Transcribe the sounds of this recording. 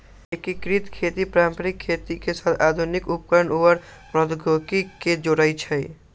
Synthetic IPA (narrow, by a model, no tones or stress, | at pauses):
ekikɾit̪kʰeːt̪ipɾampɾikʰːeːt̪ikesat̪ʰaːd̪ʱunikup̚kəɾəɳuʋəɾpɾɔd̪ɡʱokiked͡ʒoɾait͡ʃʰɛ